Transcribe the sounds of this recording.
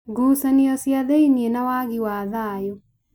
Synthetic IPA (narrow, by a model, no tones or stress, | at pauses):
ɡuːsanijɔsiaðeinienawaːɡiwaːðajo